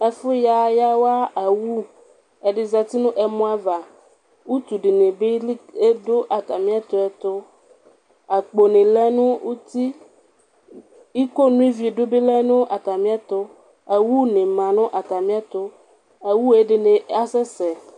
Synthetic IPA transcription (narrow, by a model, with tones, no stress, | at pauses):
ɛ˨fo˦ja˨ja˦wa˦a˨wu˦ | ɛ˨ɖe˨za˨t̪i˦nũ˦ʔɛ˨mõ˦a˦va˨ | wu˦t̪u˨ɖe˨nẽ˨be˦e˦do˦ʔa˨t̪a˨mĩ˦a˦t̪ɔ˦ɛ˨t̪o˦ | a˨k͡po˨nẽ˨lɛ˦nũ˦wu˦t̪i˦ | i˦ko˦nũ˦i˦vi˨e˨ɖo˦be˦lɛ˦nũ˦ʔa˨t̪a˨mĩ˦a˦t̪o˦ | a˨wu˦nẽ˨mã˨nɔ̃˦ʔa˨t̪a˨mĩ˦a˦t̪o˦ | a˨wu˦e˦ɖe˨nẽ˨a˦sɛ˦sɛ˨